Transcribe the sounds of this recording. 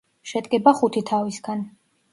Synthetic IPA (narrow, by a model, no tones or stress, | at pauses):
ʃɛd̪ʼkʼɛbaχut̪ʰit̪ʰavisɡan